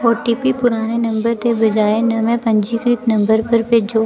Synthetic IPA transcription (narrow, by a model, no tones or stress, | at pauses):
ɔːɾʈiːpipʊɾaːnenɐ̃mbəɾt̪ebɐd͡ʒaːenɐmẽpɐ̃ɲd͡ʒikɾit̪nɐ̃mbəɾpəɾped͡ʒoː